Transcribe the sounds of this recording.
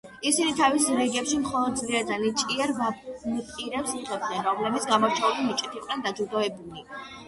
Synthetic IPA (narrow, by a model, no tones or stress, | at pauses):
isinit̪ʰavisɾɛɡɛpʃimχɔlˠɔd̪̚zliad̪zanit͡ʃʼiɛɾvamt̪ʼiɾɛpsiʁɛb̚d̪nɛnɾɔmlɛbit̪sʰɡamɔɾt͡ʃʰɛulimit͡ʃʼɛt̪ʰiqʼnɛnd̪ad͡ʒud̪ɔɛbuli